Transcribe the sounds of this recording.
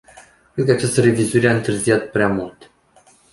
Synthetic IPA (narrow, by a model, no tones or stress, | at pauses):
kɾed̪̚kəat͡ʃast̪əɾe̞vizuiɾeaɨnt̪ɨrzijat̪̚pɾeamult̪